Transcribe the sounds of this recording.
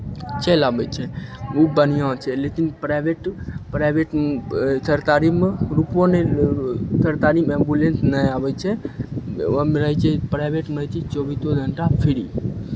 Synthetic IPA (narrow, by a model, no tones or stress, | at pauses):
t͡ʃelabət͡ʃʰɛubənijãt͡ʃʰɛlekinpɾabeʈpɾajbeʈt̪ʰəɾt̪aɾimɾupõne | t̪ʰəɾt̪aɾimembulensnəjabət͡ʃʰe | mɾəɦt͡ʃʰepɾajbeʈməjt͡ʃit͡ʃobit̪oɡ̪ʱəɳʈapʰiɾi